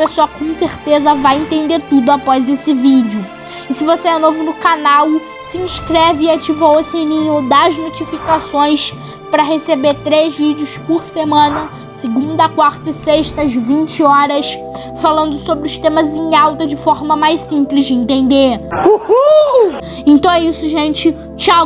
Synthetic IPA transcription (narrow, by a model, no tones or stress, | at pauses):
pesoɐkõw̃seɾt̪ezɐvajẽt̪ẽnd̪et̪ud̪ʊapɔzesɪvid͡ʒɪʊ | ɪsɪvoseɛnovʊnʊkanaw | sɪĩskɾɛvɪːat͡ʃivɐosenĩɲʊd̪ɐznot͡ʃifikasõj̃s | pɾɐɦesebet̪ɾezvid͡ʒɪʊspʊɾsemɐ̃nɐ | sɪɡũnd̪ɐkwaɾt̪ɐseʃt̪ɐzvĩnt͡ʃɪɔɾɐs | falɐ̃nd̪ʊsobɾɪʊst̪ẽmɐzẽɲawt̪ɐd͡ʒɪfɔɾmɐmajsĩplɪzd͡ʒɪẽnt̪ẽnd̪euhu | ẽnt̪ɐ̃w̃ɛisʊʒẽnt͡ʃɪ | t͡ʃa